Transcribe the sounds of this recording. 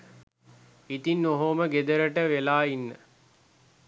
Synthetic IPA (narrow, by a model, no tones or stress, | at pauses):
it̪inːoɦoməɡed̪əɾəʈəʋelaːinːə